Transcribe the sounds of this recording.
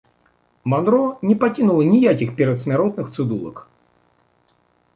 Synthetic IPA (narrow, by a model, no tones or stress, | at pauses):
mɐnɾonʲɪpɐkʲinulˠənʲɪjakʲɪxpʲɪɾʲɪt̪smʲɪɾot̪nɨxt̪sɨd̪ulˠə̰k